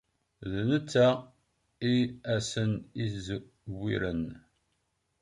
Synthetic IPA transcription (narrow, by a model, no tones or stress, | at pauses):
ðnət͡sːæ | iæsəniz | wːiɾən